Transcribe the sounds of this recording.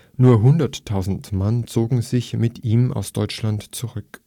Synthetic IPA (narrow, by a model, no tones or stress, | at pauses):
nuːɐɦʊndɐtʰːaʊzn̩tmant͡soːɡŋ̩zɪçmɪtʰiːmʔa̰ʊsd̥ɔʏt͡ʃlantt͡suʁʏk